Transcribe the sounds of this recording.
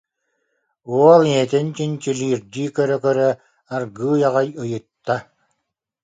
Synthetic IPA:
uɔlˠiɛt̪ɛnt͡ɕint͡ɕiliːɾd̪iːkœɾœkœɾœ | aɾɡɯːjaʁajɯjɯt̪ːa

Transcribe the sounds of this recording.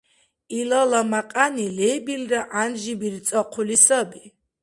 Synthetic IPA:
ilalamaqʼanilɛbilraʔanʒibiɾt̪sʼɔqʰulisabi

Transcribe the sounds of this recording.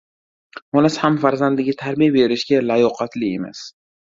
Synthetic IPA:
mɒnashamfaɾzand̪ɪɡʲat̪ʰaɾbijabe̞ɾɪʃɡʲalajɒqʰɑt̪ʰlɪema̰s

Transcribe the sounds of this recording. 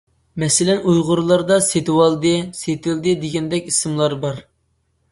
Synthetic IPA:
mɛsɪlɛnujʁʊɾlˠɑɾd̪ɑset̪ɪwɑlˠd̪ɨset̪ɪld̪ɨd̪ɪɡʲɛnd̪ɛkʲisɨmlˠɑɾbɑɾ

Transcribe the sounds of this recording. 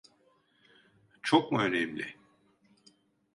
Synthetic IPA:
t͡ʃʰok̚muø̞nɛmlʲɪ̰

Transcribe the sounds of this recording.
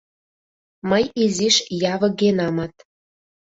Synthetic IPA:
məjiziʃjɑvɤ̆ɣenɑmɑt̪

